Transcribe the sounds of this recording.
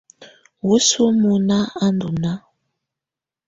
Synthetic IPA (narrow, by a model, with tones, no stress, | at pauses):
wu˦su˦mu˨na˦a˦ndu˨na˦